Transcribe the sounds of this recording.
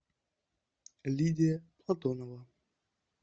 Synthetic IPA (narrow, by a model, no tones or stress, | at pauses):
lʲidʲɪjəplˠɐt̪ɔnəvə